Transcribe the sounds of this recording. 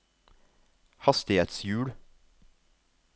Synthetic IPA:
hɑst̪ɪheːt̪sjʉːɽ

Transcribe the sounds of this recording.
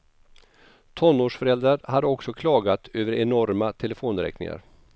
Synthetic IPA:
t̪ʰɔnːoːʂfœɾɛld̪ɾaɾhad̪əɔksɔkʰlɑːɡat̪øːvəɾɛnɔɾmat̪ʰɛləfoːnɾɛ̰knɪ̰ŋa̰ɾ

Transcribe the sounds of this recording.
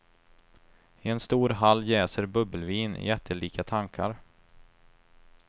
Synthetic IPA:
ɪɛnst̪uːɾɦalːjɛːsəɾbɵbːəlviːnɪ̰jɛt̪ʰːəliːkʰat̪ʰaŋkʰa̰ɾ

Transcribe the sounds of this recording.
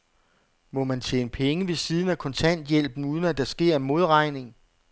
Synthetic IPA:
mɒ̽mænt͡ɕʰeːnəpʰeŋəʋe̝siːð̞ˠn̩ækʰɒ̽nt͡sʰæn̰d̥jel̰b̥n̩uðˠn̩æd̥ɑsɡ̥e̝ɐ̰emo̝ð̞ˠʁɑ̈ɪne̝ŋ

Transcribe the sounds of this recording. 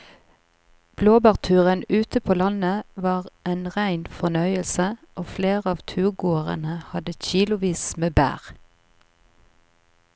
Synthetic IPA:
b̥loːbɑːʁt̪ʰʉːʁənʉːt̪əpʰoːlɑnəʋɑːʁʔenʁæɪnfɔnœʏəlsəʔoːfleːʁəɑːʋt̪ʰʉːʁɡoːəʁə̰nəhɑd̪əçiːlʊʋiːsmeːbæ̰ːʁ

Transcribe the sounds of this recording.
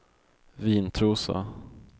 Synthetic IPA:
viːnt̪ʰɾuːsa̰

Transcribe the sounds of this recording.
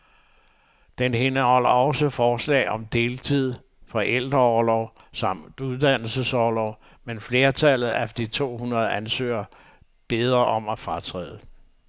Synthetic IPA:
d̥enhe̝nəhɒ̽l̰ɐɒ̽səfɒːslɛ̰ːɪɒ̽md̥e̝ːlt͡sʰið̞̰ˠ | fɒ̽ʔel̰d̥ʁɐɒːlɒʊ | sɑ̈m̰d̥uðˠd̥æn̰l̩səsɒlɒʊ | menfle̝ːɐt͡sʰælð̩ˠæfd̥ɐd̥it͡sʰo̝̰ːhunɐð̞̩ˠænsø̰ːɐ | b̥e̝ð̞ˠʁɐʔɒ̽mæfʁɑt͡sʰʁɛ̰ːð̩ˠə

